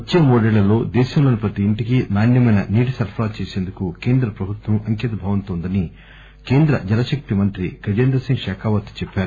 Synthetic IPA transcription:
ɐt͡ʃːemoːɖeɭːɐlo̞ːd̪eːʃɐmlo̞ːnipɾɐt̪iːɳʈikinaːɳjɐmɐjnɐniːʈisɐɾpʰɾaːt͡ʃe̞ːseːnd̪ukuke̞ːnd̪ɾɐpɾɐbʱut̪wɐmɐŋkɛːt̪ɐbʱɐːʋɐnt̪oːnd̪ɐni | ke̞ːnd̪ɾɐd͡ʒɐnɐʃɐk̚t̪imɐnt̪ɾikɐd͡ʒeːnd̪ɾɐsiŋɡʃɛːkʰaːʋɐt̪u̥t͡ʃɛpːaːɾu

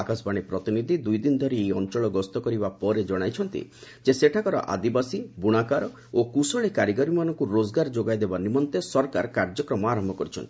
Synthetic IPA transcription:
akasbaɽ̃epɾɔt̪inid̪ʱid̪ujd̪inɔd̪ʱɔɾieɔnt͡ʃɔɭɔɡɔst̪ɔkɔɾibapɔɾed͡ʒɔɽ̃ajt͡ʃʰɔnt̪ḭd͡ʒeseʈʰakɔɾɔ̰ʔa̰d̪ibasibuɽ̃akaɾɔ | okusɔɭekaɾiɡaɾimanɔŋkuɾod͡ʒɡaɾd͡ʒoɡajd̪ebanimɔnt̪esɔɾkaɾkaɾd͡ʒɔkɾɔmɔaɾɔmbʱɔkɔɾit͡ʃʰɔnt̪i̥

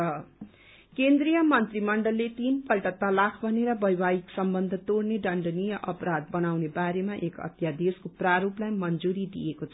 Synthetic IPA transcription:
ʌ | kend̪rijʌmʌnt̪rimʌɳɖʌlːet̪inpʌlʈʌt̪alakʰbʱʌneɾʌbʌjbajiksʌmbʌnd̪ʱʌt̪orneɖʌɳɖʌnijʌʔʌpɾad̪̚bʌnawnebaɾemaʔekʌ̰t̪jad̪eskopraɾuplajmʌnd͡zuɾid̪ḭjekot͡sʰʌ

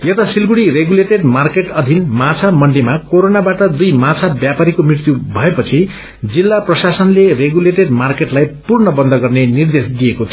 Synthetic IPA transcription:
jʌt̪asilɡuɽireɡuleʈeɖmarkeʈʌd̪ʱinmãt͡sʰamʌɳɖimakoɾonabaʈʌd̪ujmãt͡sʰabjapaɾikomrirt̪jubʱʌepʌt͡sʰi | d͡zilːaprʌsasʌnlereɡuleʈeɖ̚markeʈlajpurnʌbʌnd̪ʱʌɡʌrnenird̪esd̪ijekot̪ʰi

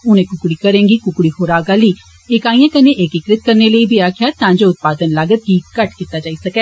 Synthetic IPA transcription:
ʊnẽːkʊkɽiːkəɾẽːŋɡiːkʊkɽiːhoːɾaːɡaːliː | ekaːĩjãːkəneːʔeːkɪkɾɪt̪̚kəɾneːləiːbʱiːaːkʰɪjaːt̪ãːd͡ʒoːʊt̪̚paːd̪ənlaɡət̪̚ɡiːkəʈkiːt̪aːd͡ʒaːiːsəkɛː

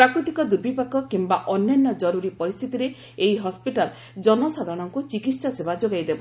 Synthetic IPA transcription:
pɾakɾut̪ikɔd̪ubipakɔkimbaʔɔnjanːɔd͡ʒɔɾuɾipɔɾist̪ʰit̪iɾe | eiɦɔspiʈal | d͡ʒɔnɔsad̪ʱɔɔɽ̃ɔŋkut͡ʃikit̪sasebad͡ʒoɡajd̪ebɔ

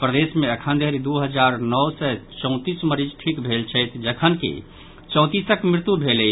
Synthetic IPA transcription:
pɾəd̪esmeəkʰənd̪ʱeɾid̪uɦəd͡ʒaɾnɔwsɛt͡ʃɔ̃ʊ̃t̪isməɾid͡ʒʈʰikbʱelt͡ʃʰəjt̪ʰd͡ʒəkʰənkḛ | t͡ʃɔ̃ʊ̃t̪isəkmɾɪt̪ubʱelɛj

